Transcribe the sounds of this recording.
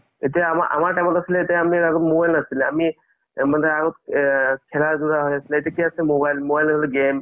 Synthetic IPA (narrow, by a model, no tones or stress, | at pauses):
et̪ijaamaʔa̰maɹʈajmɔt̪asilɛet̪iaamiaɡɔt̪mobajlnasilɛami | mand̪aaɡɔt̪̚kʰɛladuɾaɦɔjasilɛet̪iakiasɛmobajlmobajlnasilɛɡem